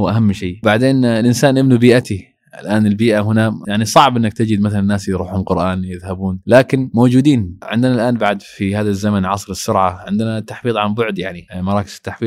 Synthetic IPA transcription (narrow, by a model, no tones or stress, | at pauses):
wʔaɦamːʃeːbaʕd̪eːnɪlʔɪnsaːnʔɪbnubiːʔat̪i | ʔɪ̰lʔaːnɪlbiːʔaɦʊnajaʕnisˤɑʕbʔɪnːakt̪ɪd͡ʒɪd̪maθalannːaːsjɾuːħʊmqʊɾʔaːnjɪðhabuːnlaːkɪnmowd͡ʒuːd̪iːnʕɪ̰nd̪ɪnalʔaːnbaʕd̪fihaːðazːamanʕɑsˤɾɪsːʊɾʕaʕɪnd̪ɪnat̪ːaħfiːðˤʕanbʊʕd̪jaʕnimɑɾˤɑːkɪ̥z̥ɪ̥t̪ːaħfiː